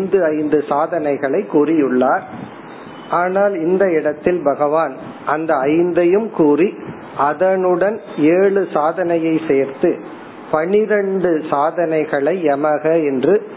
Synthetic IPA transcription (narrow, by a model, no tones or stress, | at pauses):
nd̪ɯɐɪnd̪ɯsaːðɐnɐɪɣɐɭɐɪkːuːrɪjɯɭːaːɾ | ʔaːnaːlɪnd̪ɐɪɽɐt̪ːɪlbɐɣɐʋaːn | ʔɐnd̪ɐːɪnd̪ɐjɯmkuːri | ʔɐðɐnɯɽɐn | eːɭɯsaːðɐnɐjɐɪseːɾt̪ɯ | pɐɳɪɾɐɳɖɯsaːðɐnɐɪɣɐɭɐɪɛmɐɣɐɛndrɯ